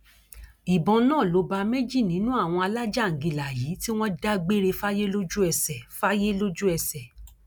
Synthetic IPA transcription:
i˨bɔ̃˧nãː˦˨lo˨˧˦ba˧me˦d͡ʒi˦˨nĩ˨˦nũ˦a˦˨w̃ɔ̃˧a˧la˦d͡ʒa˦˨ŋ̩˨ɡi˧la˨jiː˨˦ti˦w̃ɔ̃˦da˦ɡ͡be˦ɾe˧fa˦je˦lo˦d͡ʒu˦ɛ˧sɛ˨fa˦je˦lo˦d͡ʒu˦ɛ˧sɛ˨

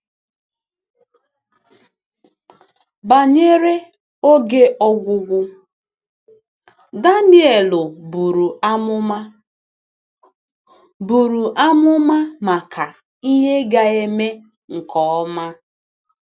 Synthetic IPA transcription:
ba˨ɲe˦ɾe˦ | o˦ɡe˦ʔɔ˦ɡʷʊ˦ɡʷʊ˦ | da˦nɪ˦e˨lʊ˨bu˨ɾu˨a˦ʊ˦ | bu˨ɾu˨ʔa˦mʊ˦ma˦ma˨kʰa˨ | i˦ɦe˦ɡa˨e˦me˦ | ŋ̩˨kʰɔ˨ɔ˦ma˦

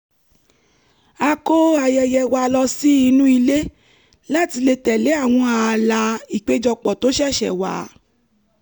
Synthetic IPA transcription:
a˧ko˦a˧jɛ˧jɛ˧wa˧lɔ˧si˦i˧nũ˦i˧le˦ | la˦˨ti˧le˧tɛ˨le˨˦a˦˨w̃ɔ̃˧a˧la˧i˨k͡pe˦d͡ʒɔ˧k͡pɔ˨to˨˦ʃɛ˦˨ʃɛ̰˨wa̰˨˦

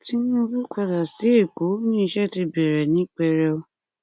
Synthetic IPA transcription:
ti˦nĩ˦o˧ɾu˦ka˧la˨si˨˦e˦˨ko˨˦nĩ˦i˧ʃɛ˦ti˧bɛ˨ɾɛ˨nĩ˨˦k͡pɛ˧ɾɛ˧o˧

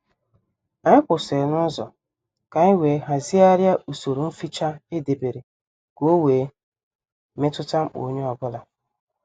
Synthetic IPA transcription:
a˨ɲɪ˦kʷʊ˨se˨nʊ˦zɔ˨ | ka˨ɪ˦we˨˦ɦa˨zi˦a˦ɾja˦u˨so˨ɾu˨m̩˦fi˦t͡ʃa˦e˦de˨be˨ɾe˨ | ɡ̥o˦weː˨ | me˦tʊ˦ta˦m̩˦k͡po̰˨˦ɲe˦ɔ˨bʊ˦la˦

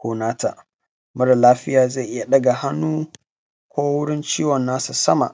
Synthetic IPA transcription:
kʷoː˨˦naː˦ta̰˨ʔ | mʊ˦ɽa˨laː˦ɸɪ˦jaː˨za˦˨ʔɪ˦ja˨ɗɐ˦ɡa˨ha˦nːuː˦ | kʷoː˦wʊ˦ɽɪ˦nt͡ʃiː˦wɔ˨nːaː˦su˨sɐ˦ma̰˨ʔ

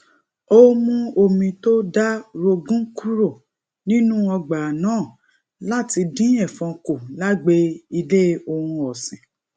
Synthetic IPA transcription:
o˦mũ˦o˧mĩ˧to˦da˦ɾo˧ɡũ˦ku˦ɾo˦˨ | nĩ˦nũ˦ɔ˧ɡ͡ba˨nãː˨˦˨ | la˦˨ti˧dĩ˦ɛ̃˦˨fɔ̃˧ko˨la˦ɡ͡be˧˦i˧le˦o˧hũ˧ɔ˨sĩ˨

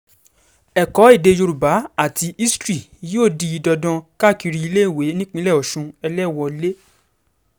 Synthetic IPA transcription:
ɛ˨kɔ˨˦i˦˨de˧jo˧ɾu˨ba˨˦a˦˨ti˧i˦stɾi˦˨joː˦˨di˨˧i˨˧dɔ˧dɔ̃˧ka˦˨ki˧ɾi˧i˧le˦i˦˨we˨˦nĩ˦k͡pĩ˦lɛ˦˨ɔ˨ʃũ˧ɛ˧lɛ˦˨wɔ˧le˦

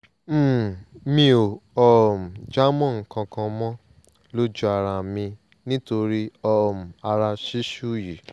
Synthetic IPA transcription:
m̩˦˨mĩ˧o˨ɔ˦˨m̩˨d͡ʒa˦mɔ̃˦˨ŋ̩˨kã˧kã˧mɔ̃˦ | lo˦d͡ʒu˦a˧ɾa˧˨mĩ˧ | nĩ˦to˧ɾi˦ɔ˦˨m̩˨a˧ɾa˧ʃi˦ʃu˦˨ji˨

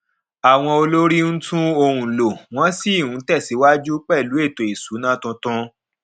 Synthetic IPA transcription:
a˨w̃ɔ̃˧o˧lo˦ɾi˦ñ̩˦tũ˦o˧ɾũ˧lo˨w̃ɔ̃˦si˦˨wũ˨˦tɛ˦˨si˨˦wa˦d͡ʒu˦k͡pɛ˦˨lu˨˦e˦˨to˨e˨su˨˦nã˦tũ˧tɔ̃˧

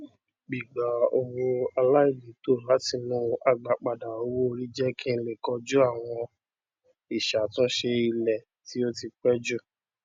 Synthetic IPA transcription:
ɡ͡bi˨ɡ͡ba˨˦o˧wo˧a˧la˦i˦˨li˨˦to˦˨la˨˦ti˧nũ˦a˧ɡ͡ba˨k͡pa˨da˨o˧wo˦˧ɾi˦d͡ʒɛ˦kʰĩ˦˧le˨kɔ˧˦d͡ʒu˦a˦˨w̃ɔ̃˧ | i˨ʃa˨˦tũ˦ʃe˧i˧lɛ˨ | ti˨˦o˦ti˧k͡pɛ˦d͡ʒu˦˨

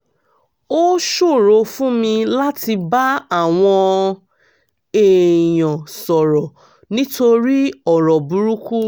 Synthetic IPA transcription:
o˦ʃo˦˨ɾo˧fũ˦mĩ˧la˦ti˧ba˦a˦˨w̃ɔ̃˧ | e˨jɔ̃˨sɔ˨ɾɔ˨ | nĩ˦to˧ɾi˦ɔ˦˨ɾɔ˨bu˨˧ɾu˦ku˦

